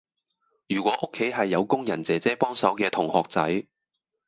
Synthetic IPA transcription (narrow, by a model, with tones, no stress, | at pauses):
jyː˨˩kʷɔː˨˥ʔʊ˥kʰːe˨˥jɦɐ˨jːɐ˨˧wkʊ˥ŋjɐ˨˩nt͡sɛː˨˩t͡sɛː˥pɔː˥ŋsɐ˨˥wkɛː˧t̪ʰʊ˨˩ŋhɔː˨k̚t͡sɐ˨˥j